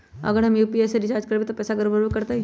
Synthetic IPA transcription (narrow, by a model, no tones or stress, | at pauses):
ɐ̰ɡəɾɦɐmjuːpiɛːseɾɪt͡ʃaːɾd͡ʒkəɾbit̪opɛːsaɡəɾbəɾəkɐɾt̪aɦi